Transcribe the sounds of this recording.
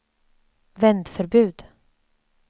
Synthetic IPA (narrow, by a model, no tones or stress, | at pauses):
vɛnd̪fœɾbʉ̟ːd̪